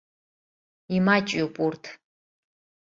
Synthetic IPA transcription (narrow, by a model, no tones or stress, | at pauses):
imat͡ʃʼupʼurtʰ